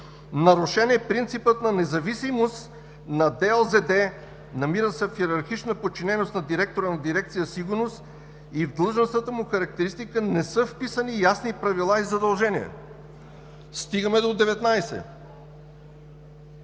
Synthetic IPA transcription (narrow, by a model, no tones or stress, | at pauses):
nɐɾuʃɛniɛpɾint̪sipət̪nɐnɛzɐvisimost̪ | nɐd̪ɛɛlˠzɛd̪ɛ | nɐmiɾəsɛfiɛɾɐɾxit͡ʃnəpot͡ʃinɛnost̪nɐd̪iɾɛk̚t̪oɾənɐd̪iɾɛk̚t̪sijəsiɡʊɾnost̪ | ivd̪əlˠʒənst̪vət̪əmuxɐɾɐk̚t̪ɛɾist̪ikənɛsɤfpisənijasnipɾɐvilˠaizɐd̪ɐlˠʒɛniɛ̰ | st̪iɡəmɛd̪od̪ɛvɛt̪najsɛ̰